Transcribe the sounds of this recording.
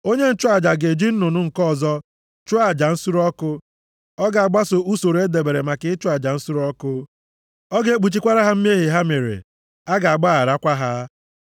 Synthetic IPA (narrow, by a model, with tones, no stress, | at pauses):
o˦ɲe˦n̩˦t͡ʃʊ˦a˨d͡ʒa˨ɡe˨d͡ʒi˦n̩˦nʊ˨nʊ˦ŋ̩˨kɔ˦˨zɔ˦ | t͡ʃʊ˦a˨d͡ʒa˨n̩˦su˦ɾɔ˦kʊ˦ | ɔ˦ɡa˨a˨ɡ͡ba˦so˨u˦so˨ɾe˦de˨be˨ɾe˨ma˨kɪ˦t͡ʃʊ˦a˨d͡ʒa˨n̩˦su˦ɾɔ˦kʊ˦ | ɔ˦ɡe˦e˦k͡pu˨t͡ʃi˦kʷa˦ɾa˦ɦa˦m̩˦m˦e˦ɦi˨ɦa˦me˨ɾḛ˨ | a˦ɡa˨a˨ɡ͡ba˦a˨ɾa˦kʷa˦ɦa˦